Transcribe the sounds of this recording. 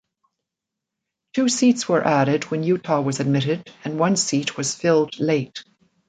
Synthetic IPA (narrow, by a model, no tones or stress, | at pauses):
tʰʉsitswə˞ʔæɾɨd̚wɨ̃njʉtʰɑwʌzɨd̚mɪɾɪɾɨ̃nwʌ̃nsit̚wʌz̥fɪlˠdleɪt̚